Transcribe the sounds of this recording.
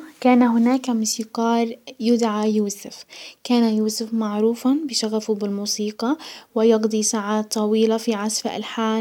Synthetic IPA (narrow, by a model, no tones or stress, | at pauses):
kaːnaɦʊnaːkamuːsiqɑːɾˤjʊd̪ʕajuːsɪfkaːnajuːsʊfmaʕɾuːfabɪʃaɣafubɪlmuːsiːqɑwɪjɑɡd̪ˤisaʕaːt̪ˤːɑwiːlafiʕasfaʔa̰lħaː